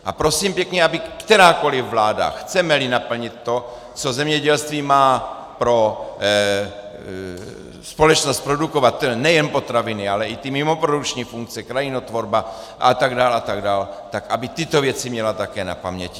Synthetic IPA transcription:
ʔapɾosiːmpjɛkɲɛabɪkt̪ɛɾaːko̞lɪvːlaːda̰xt͡sɛmɛlinapl̩ɲɪt̪ːo̞ | t͡so̞zɛmɲɛɟɛlst̪viːmaː | pɾo̞ | spo̞lɛt͡ʃnost̪̚pɾo̞duko̞vat̪nɛjɛnpo̞t̪ɾavɪnɪalɛit̪imɪmo̞pɾodukt͡ʃɲiːfuŋk̚t͡sɛkɾajɪnot̪vo̞ɾba | ʔa̰t̪aɡdaːlʔat̪aɡdaːlt̪akabɪt̪ɪt̪ovjɛt͡simɲɛlat̪akɛːna̰pamɲɛci

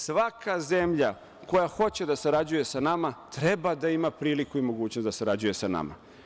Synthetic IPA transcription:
sʋakʰazemʎa | ko̞jaxo̞t͡ɕe̞d̪asaɾad͡ʑuje̞sanamat̪ɾebad̪aimapɾiːlikuimo̞ɡuːt͡ɕnosd̪asaɾad͡ʑuje̞sana̰ma̰

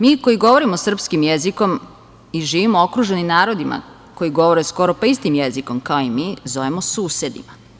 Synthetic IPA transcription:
miːko̞jiɡo̞ʋo̞ɾimosr̩pskimjeziko̞m | iʒiːʋimookɾuːʒenimnaːɾo̞d̪ima̰ | ko̞jiɡo̞ʋo̞ɾesko̞ɾopaist̪imjeziko̞mkaoimiːzo̞ʋemosuːse̞d̪ḭma

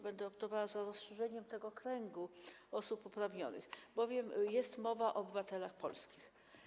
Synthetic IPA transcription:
bɛnd̪ɛɔpt̪ɔvawazaɾɔsʂɛʐɛɲɛmt̪ɛɡɔkɾɛŋɡu | ɔsupupɾavɲɔ̰nɘ̰xbɔvʲjɛmjɛst̪mɔvaʔɔːbɘvat̪ɛlaxpɔ̰lskʲix

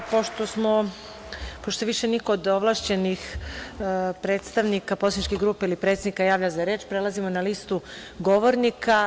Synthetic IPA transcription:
poʃt̪osmo̞ | poʃt̪oseʋiʃeniko̞od̪oʋlˠaʃt͡ɕe̞nix | pɾe̞ːt̪st̪aʋnikaposanit͡ʃkiɡɾuːpeilipɾet̪sed̪nikajaːʋʎazaɾe̞ːt͡ʃpɾelˠazimo̞nalist̪u | ɡo̞ʋo̞ɾnika

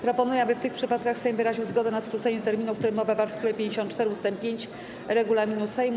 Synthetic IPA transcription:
pɾɔpɔnujɛabɘft̪ɘxpʂɘpat̪̚kaxsɛjmvɘɾaʑiwzɡɔd̪ɛnaskɾut̪sɛɲɛt̪ɛɾmʲinukt̪uɾɘmːɔvavaɾt̪ɘ̥kulɛpʲjeɲd͡ʑeɕɔ̃n̚t͡ʂt̪ɛɾɘust̪ɛmpʲjeɲt͡ɕ | ɾɛɡulamʲinusɛjm

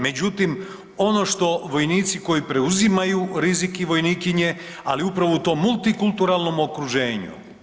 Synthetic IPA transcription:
me̞d͡ʑut̪im | o̞no̞ʃt̪o̞ʋo̞jniːt̪siko̞jipɾe̞uzimajuɾizikiʋo̞jniːkiɲe̞ | a̰liupɾaʋo̞ut̪o̞ːmːulˠt̪ikult̪uɾalˠno̞mo̞kɾuʒe̞ːɲṵ

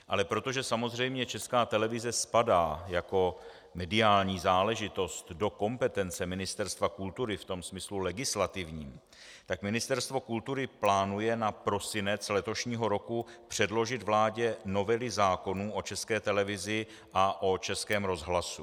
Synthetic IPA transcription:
ʔa̰lɛpɾo̞t̪o̞ʒɛsamo̞zr̝ɛjmɲɛt͡ʃɛskaːt̪ɛlɛvɪzɛspadaːjako̞ | mɛdɪaːlɲiːzaːlɛʒɪt̪o̞st̪do̞ko̞mpɛt̪ɛnt͡sɛmɪnɪst̪ɛɾst̪vakult̪uɾɪft̪o̞msmɪslulɛɡɪslat̪ɪvɲiːm | t̪akmɪnɪst̪ɛɾst̪vo̞kult̪uɾɪplaːnujɛnapɾo̞sɪnɛt͡slɛt̪o̞ʃɲiːɦo̞ɾo̞kupr̝̥ɛdlo̞ʒɪt̪vlaːɟɛno̞vɛlɪzaːko̞nuːʔo̞t͡ʃɛskɛːt̪ɛlɛvɪzɪ | ʔaʔo̞t͡ʃɛskɛːmɾo̞zɦlasu

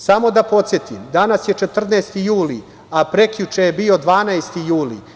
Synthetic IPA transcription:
samo̞d̪apo̞t̪sʲje̞t̪imd̪anasje̞t͡ʃe̞t̪r̩neːst̪ijuːli | apɾe̞kʎut͡ʃejebio̞d̪ʋaːnaest̪ijuːlḭ

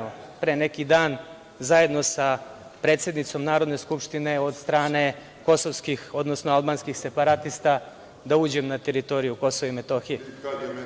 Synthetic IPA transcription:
opɾene̞kid̪aːn | zaje̞d̪no̞sa | pɾe̞ːt̪sje̞d̪nit̪so̞mnaːɾod̪ne̞skupʃt̪ine̞o̞d̪st̪ɾaːne̞ | ko̞soʋskixo̞d̪nosnoalˠbaːnskixse̞paɾat̪ist̪a | d̪auːd͡ʑemnat̪eɾit̪o̞ɾijuko̞soʋaimet̪o̞ːxije

